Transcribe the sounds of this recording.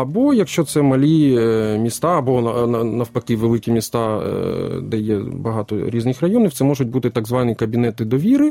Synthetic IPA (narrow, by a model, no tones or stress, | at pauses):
ɐbɔjɐkʃt͡ʃɔt̪sɛmɐlʲimʲist̪ɑɐbɔɐnɐnɐwpɐkɪʋelˠɪkʲimʲist̪ɑ | d̪ɛjɛbɐɦɑt̪ɔɾʲiznɪxrɐjɔnʲiwt̪sɛmɔʒʊt̚ʲbut̪ɪt̪aɡzʋɑnʲikɐbʲinɛt̪ɪd̪ɔʋʲiɾɪ